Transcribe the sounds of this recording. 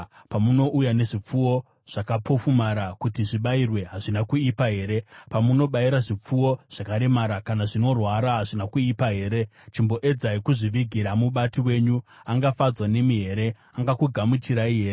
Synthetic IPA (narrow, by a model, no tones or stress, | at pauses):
pamuno̞ʔujane̞ʐip͡fuwo̞ | ʐ̥akapʰo̞fumaɾakutiʐiɓairwe̞ɦaʐinakuipaɦe̞ːɾe̞pamuno̞ɓaiɾaʐip͡fuwo̞ʐ̥akaɾe̞maɾakanaʐino̞rwaɾaɦaʐinakuipaɦe̞ːɾe̞t͡ʃimbo̞ʔe̞d͡zaikuʐiʋiɡʱiɾamuɓatiwe̞ːɲuaŋɡafad͡zwane̞miɦe̞ːɾe̞ | aŋɡakuɡʱamut͡ʃiɾaiɦeːɾe